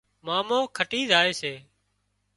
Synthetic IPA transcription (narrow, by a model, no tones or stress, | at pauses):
maːmõːkʰəʈiːzaːeːseː